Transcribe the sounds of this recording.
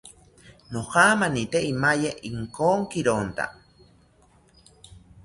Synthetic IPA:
nohaːmanit̪eimajeʔiŋkoːŋkiɾont̪a̰

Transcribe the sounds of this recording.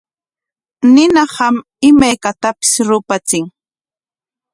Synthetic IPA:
nɪnɑhɑm | ɪmajkat̪apɪ̥sɾʊpat͡sɪŋ

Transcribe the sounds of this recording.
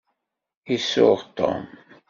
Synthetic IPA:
isʊʁt̪ːo̰m

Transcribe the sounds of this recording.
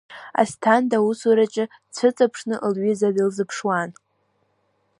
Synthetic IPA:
a̰stʰandausaɾat͡ʃʼɪ | t͡sʰɨt͡sʼapʰʂnɨʔlɥizadɨlzɨpʰʂwan

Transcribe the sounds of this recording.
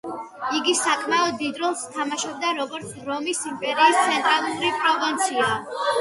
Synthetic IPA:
iɡisakʼʰmaɔd̪ːid̪ɾɔlˠst̪ʰamaʃɔb̚d̪aɾɔɡɔɾt̪sʰɾɔmisimpʼɛɾiːst̪sʰɛnt̪ʼɾalˠuɾipʼɾɔvint̪sʰia

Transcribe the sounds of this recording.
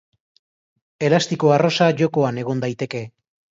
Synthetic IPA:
e̞last̪ikoaro̞saʝo̞ko̞ane̞ɣ̞o̞nd̪ajt̪e̞ke̞

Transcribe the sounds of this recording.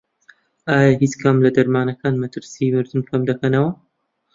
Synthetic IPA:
aːjaɦit͡skʰɐmlɐd̪ɐɾmaːnɐkaːnmɐt̪ɨɾsimɨɾd̪ɨmkʰɐmd̪ɐkɐnɐwɐ

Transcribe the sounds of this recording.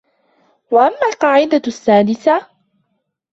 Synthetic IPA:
waʔamːalqɑːʕɪd̪asːaːd̪ɪsa

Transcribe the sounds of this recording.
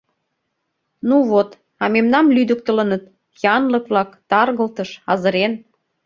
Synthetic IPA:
nuβot̪ | ɑmemnɑmlyd̪ək̚t̪ə̆lənət̪ | jɑnləkβlɑkt̪ɑrɣəlt̪əʃɑzə̆ɾen

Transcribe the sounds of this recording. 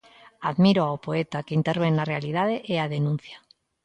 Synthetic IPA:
aðmiɾoaopoet̪akeint̪eɾβ̞eŋnarealið̞að̞eʔeaðenũn̟θja

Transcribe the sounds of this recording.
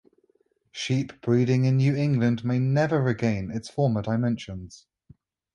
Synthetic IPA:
ʃiˑpʰb̥ɹiːɾɪ̃ŋɪ̃nːjʉːɪ̃ŋɡlə̃ndmeɪnɛvəɹɪɡẽɪ̃nɪtsfɔːmədaɪmɛ̃nʃə̃nz̥

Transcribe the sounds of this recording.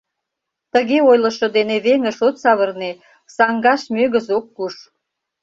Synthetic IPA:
t̪əɣeojlə̆ʃŏd̪eneβeŋə̆ʃot̪sɑβərne | sɑŋɡɑʃmøɣəzokːuʃ

